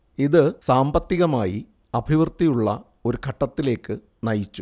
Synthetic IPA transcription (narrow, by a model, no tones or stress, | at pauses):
iðɨsaːmbɐt̪ːiɣɐmaːjḭ | ɐbʱiʋrt̪ːijuɭːɐ̰ | o̞ɾukʰɐʈːɐt̪ːile̞ːkːɨ | nɐjit͡ɕːu